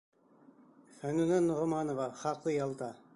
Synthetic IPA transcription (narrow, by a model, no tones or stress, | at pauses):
fænunænːoʁŏmɑnovɑχɑqlˠɤjɑlˠt̪ɑ